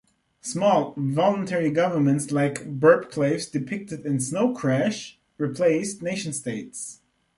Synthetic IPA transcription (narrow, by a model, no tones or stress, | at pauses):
smɔlˠvɑlˠə̃ntʰɛɹiɡʌvə˞mə̃ntslaɪkbɜ˞bkʰleɪvzdɨpʰɪk̚tɨɾɨ̃nsnoʊkʰɹ̥æʃ | ɹipʰl̥eɪstneɪʃn̩steɪts